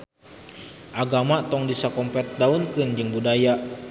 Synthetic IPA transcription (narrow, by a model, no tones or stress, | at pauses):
ʔaɡamat̪ɔŋdisakɔmpɛt̪̚daunkɨnd͡ʒɨŋbudaja